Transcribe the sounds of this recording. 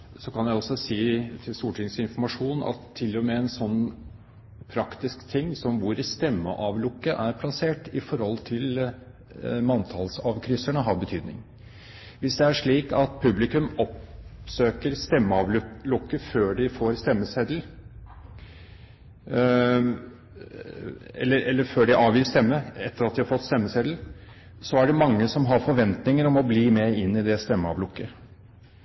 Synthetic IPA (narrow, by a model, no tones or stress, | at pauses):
sɔkɑnjæɪɔsːɔsiːt̪ʰɪlst̪uːʈʰɪŋsɪnfɔɾmɑʂuːnɑ̰t̪ʰːɪlːɔmeːɛnsɔnː | pʰɾɑkt̪ɪskt̪ʰɪŋːsɔmʋʊɾst̪ɛmːə̰ʔɑːʋlʊkːəʔæɾpʰlɑseːʈɪfɔɾhɔlt̪ʰɪl | mɑnt̪ʰɑlsɑːʋkʰɾʏsəɳəɦɑɾbət̪ʰyːd̪nɪ̰ŋ | ʋɪsd̪ɛæʂɭiːkɑt̪pʰʉblɪkʉmɔpsøːkəɾst̪ɛmːəɑʋ̪lʊkːəføːɖɪfoːɾst̪ɛmːəsɛd̪l̩ | ɛ̰lːəɾɛlːəføːɖɪʔɑːʋjiːst̪ɛmːəɛt̪ʰːəɾɑt̪̚d̪ɪhɑɾfɔt̪ːst̪ɛmːəsɛd̪l̩ | sɔæɖɛmɑŋːəsɔmɦɑɾfɔɾʋɛnt̪nɪŋəɾɔmɔbliːmɛɪnːɪd̪ɛst̪ɛmːəɑ̰ʋlʊkːə